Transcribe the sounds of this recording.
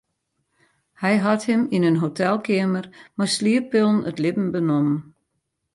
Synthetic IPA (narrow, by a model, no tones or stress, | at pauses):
hɛjɦɑthɪminənɦotʰɛlˠkʰɪəmərmasliəpɪlˠnətlɪbn̩bənɔmən